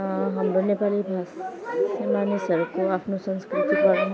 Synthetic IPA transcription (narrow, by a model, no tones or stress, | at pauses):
ɦɐmɾonepalibʱassemanesɐɾbkoapnosə̃nskɾɪt̪ikaɾẽ